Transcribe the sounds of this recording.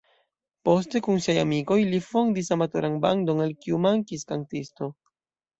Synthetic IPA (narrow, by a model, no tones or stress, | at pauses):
po̞ste̞kunsiajamiko̞jlifo̞ndisamato̞ɾanbando̞nelkiumaŋkiskantisto̞